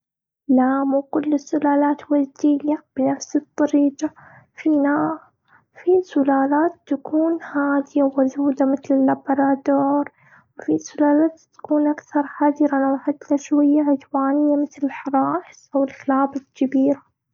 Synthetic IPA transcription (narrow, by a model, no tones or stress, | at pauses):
laːmwkʊlːɪsːʊlaːlaːt̪wazd̪ɪjːab̥ɪnafsɨt̪ˤːɑɾiːɡa | fina | fisʊlaːlaːt̪ːakuːnhaːd̪ɪjawazuːd̪amɪθlɪlːabɑɾˤɑːd̪oːɾˤ | wfisʊlaːlaːt̪t̪ḁkuːnʔakθɑɾˤħad̪ɪɾanawħat̪laʃwajːaʕɪd̪waːnɪjːamɪθlɪlħɑɾˤɑːʔɪsʔawɪlxlaːbalkabiːɾa